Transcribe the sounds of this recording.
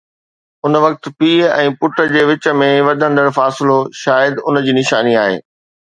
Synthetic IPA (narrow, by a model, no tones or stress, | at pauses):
ʊnʋɐk̚t̪piːɛ̃ːpʊʈə̆d͡ʑeːʋɪt͡ɕə̆mẽʋɐd̪ʱə̃nd̪əɽfaːsɪloʃaːjəd̪ʊnd͡ʑiːnɪʃaːniaːɦḛː